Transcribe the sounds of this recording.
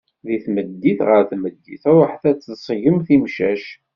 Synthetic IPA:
ðiθməd̪ːiθʁəɾθməd̪ːiθæɾˤəħθæt͡sːθsˤʝəmθimʃæʃ

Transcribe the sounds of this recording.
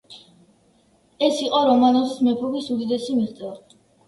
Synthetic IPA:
ɛsiqʼɔɾɔmanɔzismɛpʰɔbisud̪id̪ɛsimiχt̪sʼɛ

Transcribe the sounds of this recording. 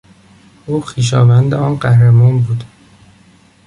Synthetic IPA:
ʔuːxiːʃ̬ɒːvænd̪eɒːnɢæhɾemɒːnbuːd̪

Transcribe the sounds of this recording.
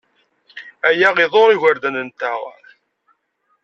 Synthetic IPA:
æjæʁiðˤoɾˤiʝəɾd̪ænənt̪æʁə̰ɾ

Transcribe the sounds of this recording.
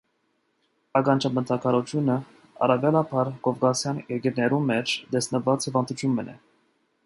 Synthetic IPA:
ɑɡɑnt͡ʃʰɑmət̪ʰɑkʰɑɾɔt͡ʃʰjunə | ɑ̰rɑvjɑlɑpʰɑɾkɔfkɑsjɑnjɛɡɛɾnɛɾumɛt͡ʃʰd̪ɛsnəvɑt͡shivɑnd̪ut͡ʃʰjunmənɛ̰

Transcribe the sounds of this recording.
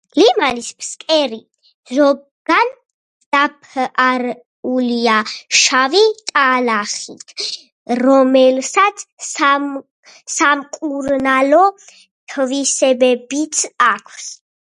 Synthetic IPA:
limanispʰskʼɛɾi | zɔ | ɡ̥an | d̪̥apʰaɾ | uliaʃavit̪ʼalaχit̪ʰ | ɾɔmɛlsat̪sʰ | samkʼuɾnalɔ | t̪ʰvisɛbɛbit̪ʰakʷʰs

